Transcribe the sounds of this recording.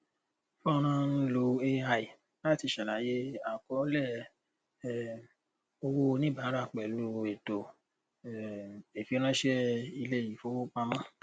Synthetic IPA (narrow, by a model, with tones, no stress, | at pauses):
fɔ˦˨˦ɾ̃ã˦n̩˦lo˧e˦a˧i˨ | la˦˨ti˧ʃa˨la˨˦je˦a˨kɔ˨˦lɛ˦˨ | o˧wo˦˧nĩ˦ba˨˦ɾa˦˨k͡pɛ˨lu˧e˨to˨ | e˨fi˧˦o˦ɾ̃ã˦ʃɛ˦i˧le˦˨ji˨fo˦o˦k͡pa˧mã˦